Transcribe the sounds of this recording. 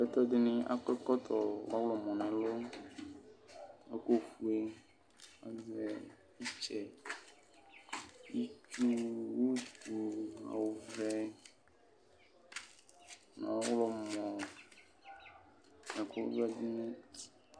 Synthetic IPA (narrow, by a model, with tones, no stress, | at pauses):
fɛ˦t̪ɔ˦d̪ɪ˦nĩ˦ʔa̰˦kɔ˦kɔ˦t̪ʰɔ˨wa˦wlɔ˨mɔ̃˨nɛ̃˨lo˦ | a˦ko˦fu˦e˦ | a̰˨˦zɛ˨˦ | i˦t͡ʃɛ˨ | ji˦t͡ʃu˦wo˦t̪u˨a̰˨wo˨vɛ˦ | nã̰˨˦wlɔ˦mɔ̃˨ | na˨ko̰˦vɛ˦d̪ɪ˦nĩ˦